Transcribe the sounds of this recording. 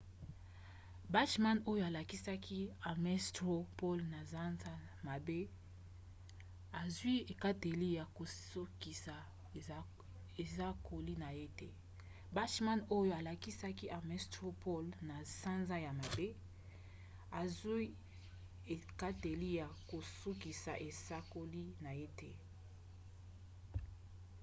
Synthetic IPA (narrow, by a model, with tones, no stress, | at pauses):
ba˦ʃma˦no˦jo˦a˨la˨ki˦sa˦kʰi˦a˨mɛ˦stʁo˦po˦lna˨za˦nza˦ | ma˨be˦ | a˨zwi˦e˨ka˦te˨li˦ja˨ko˨so˦ki˨sa˨ | e˨za˦kʰo˨li˦na˨je˦tɛ˦ | ba˦ʃma˦no˦jo˦a˨la˨ki˦sa˦ki˦ʔa˨mɛ˨sto˦pʰo˦lna˨sa˦nza˦ja˨ma˨be˦ | a˨zwi˦ | e˨ka˦te˨li˦ja˨ko˨su˦ki˨sa̰˨ʔe˨sa˦ko˦li˦na˨je˦tɛ˦